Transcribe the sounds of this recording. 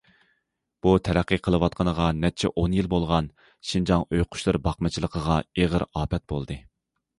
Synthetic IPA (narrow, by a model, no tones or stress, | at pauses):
b̥ut̪ʰɛɾɛqːiqʰəlˠəwɑt̪̚qʰənəʁɑnɛt͡ʃʰɛ̰ʔonjilbolˠʁɑn | ʃind͡ʒɑŋøjqʰʊ̥ʃlˠɨɾbɑχmɨt͡ʃʰilˠəqʰəʁɑeʁəɾɑːpɛt̪̚bo̰lˠd̪ɨ